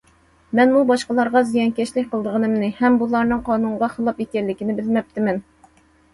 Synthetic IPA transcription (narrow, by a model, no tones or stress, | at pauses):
mɛnmubɑʃqəlˠɑɾʁɑzijɑŋkʲɛʃlɪk̚ʲqʰəlˠd̪əʁənɨmnɪhɛmbulˠɑɾnɨŋqʰɑːnuɴʁɑχəlˠɑpekʲɛllːɪkʲinɪbɪlmɛp̚t̪ɪmɛn